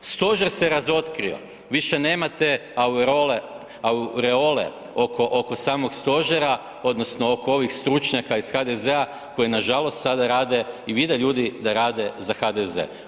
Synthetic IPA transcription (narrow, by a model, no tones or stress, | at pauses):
st̪o̞ʒeɾseɾazo̞t̪kɾio̞̰ | ʋiʃe̞ne̞ːmat̪eawɾole | auɾeo̞lḛ | okʰo̞ʔokosaːmo̞ɡst̪o̞ʒeɾa | o̞d̪no̞sno̞oko̞o̞ʋixst̪ɾut͡ʃɲakaisxad̪e̞zea | ko̞jinaʒalo̞st̪sad̪aɾaːd̪e̞iʋid̪eʎuːd̪id̪aɾaːd̪e̞zaxad̪ezḛ